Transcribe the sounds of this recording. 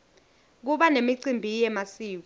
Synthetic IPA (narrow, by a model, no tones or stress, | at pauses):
k̬uɓanemiǀimbʱijɛmasiːk̬u